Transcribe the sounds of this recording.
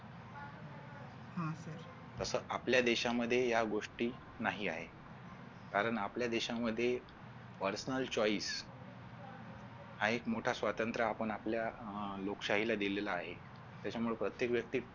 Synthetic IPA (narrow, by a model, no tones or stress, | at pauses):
hasəɾ | t̪əsəːʔapljad̪eɕaməd̪ʱːjejaɡoʂʈiː | naɦiːa̰ɦe | kaɾəɳapljad̪eɕaməd̪ʱːje | pəɾsənəlt͡ɕɔiːs | haekmoʈʰasʋat̪ənt̪ɾaːpəɳapljalokʂaɦilad̪ilelaːɦe | t̪jat͡ɕamuɭepɾət̪jekʋjək̚t̪iː